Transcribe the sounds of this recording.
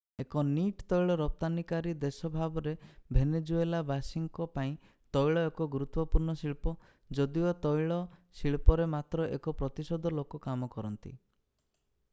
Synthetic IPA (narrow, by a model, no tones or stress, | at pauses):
ekɔniʈt̪ɔjɭɔɾɔp̚t̪anikaɾid̪esɔbʱabɔɾebʱened͡ʒuelabasiŋkɔpaĩ | t̪ɔjɭɔekɔɡuɾut̪wɔpuɾnɔsiɭpɔ | d͡ʒɔd̪iɔt̪ɔjɭɔsiɭpɔɾemat̪ɾɔʔekɔpɾɔt̪isɔd̪ʱɔlokɔkamɔkɔɾɔnt̪ḭ